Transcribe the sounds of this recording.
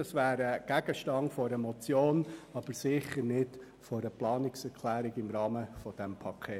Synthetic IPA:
ɑsʋæːɾəɡ̥æɡəʃtɑŋfɔɾəmɔt͡sjoːnɑb̥əɾsɪχəɾnɪt | fɔɾəplɑːnɪksɛɾkʰlæːɾɪɡɪmɾɑːməfɔd̥ɛmpʰɑkʰeː

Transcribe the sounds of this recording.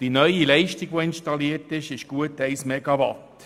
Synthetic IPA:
d̥inœʏilɛɪʃtiɡ̥ʋoɪnʃtɑliːərtɪʃɪʃɡ̥uətɛɪsmɛɡɑvɑt

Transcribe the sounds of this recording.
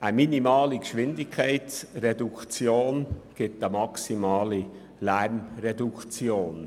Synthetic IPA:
ʔəminimɑːlikʃʋɪndɪkʰːɛɪtsɾɛdukt͡sjoːnɡ̥ɪtəmɑksimɑːli | læɾmɾɛdukʰt͡sjoːn

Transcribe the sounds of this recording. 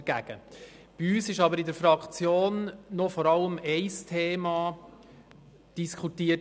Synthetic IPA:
ɡ̥æɡ̥ə | b̥iyːsɪʃɑbəɾɪdəɾfɾɑkt͡sjoːnːɔfɔɾɑləmɛɪstʰeːmɑ | d̥iskʰutiːə

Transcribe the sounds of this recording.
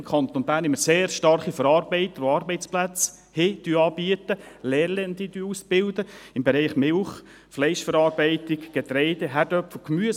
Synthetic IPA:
kʰɑnt̪onbæːɾnɪmːəseːɾʃtɑrχifəɾɑːɾbɛɪt̪əɾoɑːɾbɛɪt͡splæt͡s | hed̥yːɑːbiət̪əlɛːɾlɛnd̪id̥yːusb̥ɪldəɪmbɛɾɛɪχmɪlχ | flɛɪʃfəɾɑːɾbɛɪtɪɡɡ̥et̪ɾɛɪd̥ɛɦæɾd̥œpfl̩kmyə

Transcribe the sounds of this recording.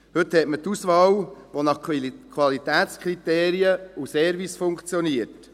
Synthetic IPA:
hɵt̪hɛtmət̪usʋɑːwʋonɑχkʰʋɑlit̪æːt̪t͡skʰʁit̪eːɾiəusɛːɾvisfʊŋkt͡sjɔniəɾt

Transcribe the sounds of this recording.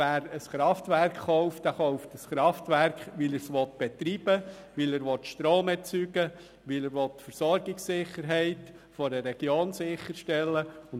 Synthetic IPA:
æːɾəsχɾɑftʋærkχːɔʊft̚d̥æχoʊftəsχɾɑftʋæɾkχʋiləɾsʋɔt̪b̥ɛtɾiːb̥ə | ʋɪləɾʋɔtːʃtɾoːmɛɾt͡syːɡə | ʋɪləɾʋɔt̪ːfəɾsɔɾɡɪksːɪχːəɾɦɛɪt | fɔdəɾɛɡ̥joːnsɪχːəɾʃtɛlːəʊn

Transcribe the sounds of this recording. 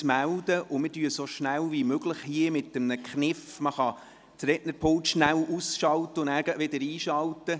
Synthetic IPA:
mæld̪əʔʊmɪdyəsoʃnælʋimøɡləχhiəmɪtəmnəkχnɪfməχɑ | tɾɛʔnəɾpʰʊlt̪ʃnælusʃɑlt̪əʊnæːɾɡ̥əʔʋɪd̪əɾiːʃɑlt̪ə

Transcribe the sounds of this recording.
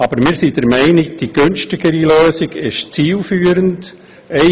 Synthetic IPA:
ɑb̥əɾmɪːɾsidəɾmɛɪnɪɡd̥iɡ̥ønʃtɪɡ̥əɾiløːsiɡɪʃt͡siːlfyːəɾənt | ɛ

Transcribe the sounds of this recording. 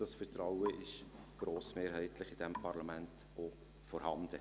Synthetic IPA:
d̥ɑsfərtɾɑʊəʔɪʃɡ̥ɾoːsmeːɾɦɛɪtlɪχɪd̥ɛmpʰɑɾlɑmænt | o | fɔɾhɑnd̥̪ə

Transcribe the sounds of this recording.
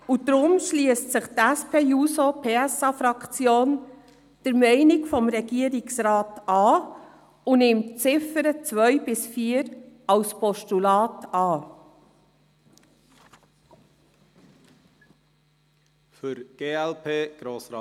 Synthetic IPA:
udɾʊmʃliəstsɪχtæspʰeːjuːsopʰeːɛsɑfɾɑkt͡sjoːn | d̥əɾmɛɪnɪkfɔmɾɛɡiəɾɪksɾɑːtɑː | unɪmtt͡sɪfəɾət͡sʋœʏbɪsfiːəɾɑlspɔʃtulɑːtɑː | fʏɾɡ̥eːɛlpʰeːɡ̥ɾoːsɾɑ

